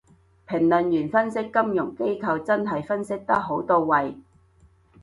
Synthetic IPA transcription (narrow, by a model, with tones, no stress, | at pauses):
pʰɪ˨˩ŋlɵ˨njyː˨˩nfɐ˥nsɪ˥kːɐ˥mjʊ˨˩ŋke˥jkʰɐ˧wt͡sɐ˥nɦɐ˨jfɐ˥nsɪ˥k̚t̪ɐ˥k̚ɦo˨˥wt̪o˧wːɐ˨j